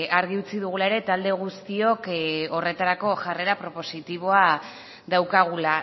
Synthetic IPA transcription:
aɾɣ̞iut͡siðuɣ̞ulae̞ɾe̞t̪ald̪e̞ɣ̞ust̪io̞ko̞re̞t̪aɾako̞ʝare̞ɾapɾo̞po̞sit̪iβ̞o̞a | ðawkaɣ̞ula

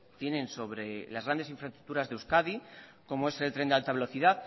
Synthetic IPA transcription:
t̪je̞nẽ̞nso̞βɾe̞lazɣɾand̪e̞siɱfɾaest̪ɾu̥k̚t̪uɾazðewskaði | ko̞moe̞selt̪ɾe̞nd̪ealt̪aβe̞lo̞θiðað

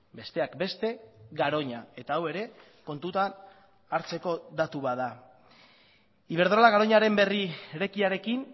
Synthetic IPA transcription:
be̞st̪e̞akbe̞st̪e̞ɡaɾo̞ɲae̞t̪aːwe̞ɾe̞ | ko̞nt̪ut̪an | aɾt͡se̞ko̞ðat̪uβaða | iβ̞e̞ɾðɾolaɣaɾo̞ɲaɾe̞mbe̞rieɾe̞kiaɾe̞kin

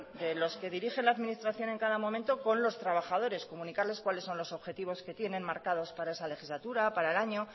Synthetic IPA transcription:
d̪e̞lo̞ske̞ðiɾixe̞nlaːðminist̪ɾaθjo̞ne̞ŋkaðamo̞mẽ̞nt̪o̞ko̞nlo̞st̪ɾaβ̞axaðo̞ɾe̞sko̞mũnikaɾle̞skwalesːo̞nlo̞so̞βxe̞t̪iβ̞o̞ske̞t̪je̞nẽ̞nmaɾkaðo̞spaɾae̞sale̞xizlat̪uɾapaɾaelaɲo̞

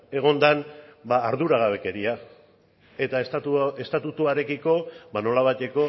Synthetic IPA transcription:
e̞ɣ̞o̞nd̪anbaːɾðuɾaɣ̞aβe̞ke̞ɾia | e̞t̪aest̪at̪ue̞st̪at̪ut̪uaɾe̞kiko̞bano̞laβajt̪e̞ko̞

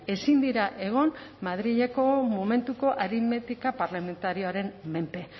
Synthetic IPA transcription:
e̞sind̪iɾaʔe̞ɣ̞o̞nmaðɾiʎeko̞mome̞nt̪uko̞ʔaɾime̞t̪ikapaɾlame̞nt̪aɾio̞aɾe̞mme̞mpe̞

